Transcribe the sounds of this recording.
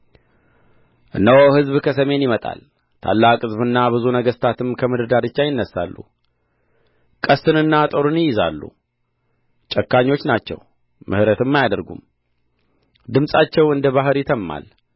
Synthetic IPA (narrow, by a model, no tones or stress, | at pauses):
ʔɨnːəwoɦɨzβkʰəsəme̞njɪmət̪ʼa̰l | t̪ʰa̰lːakʼɨzβɨnːabɨzunəɡəst̪ʰat̪ʰɨmkʰəmɨd̪əd̪aɾɨt͡ʃːajɪnːəsːa̰lːṵ | kʼəst̪ɨnɨnːat̪ʼoɾunjɪjɪza̰lːṵ | t͡ʃʼəkːaɲːo̞t͡ʃːnat͡ʃːɛ̰w | mʔɨ̰hɾət̪ɨmːajad̪əɾɡṵm | d̪ɨmsʼat͡ʃːɛwɨnd̪əβaɦɨɾjɪt̪ʰəmːa̰l